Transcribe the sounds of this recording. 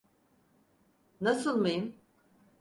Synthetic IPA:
nasɯlˠmajɯm

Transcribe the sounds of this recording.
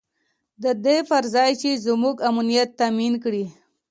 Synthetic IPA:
d̪əd̪efaɾzɑjt͡ʃezmuɡamunijat̪ːaminkɽi

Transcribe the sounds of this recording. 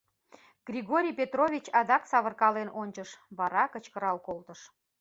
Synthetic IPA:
ɡ̥rʲiɣoɾʲijpʲet̪rovʲit͡ɕɑd̪ɑksɑβərkɑlenonʲt͡ɕəʃβɑɾɑkət͡ɕkəɾɑlkolt̪əʃ

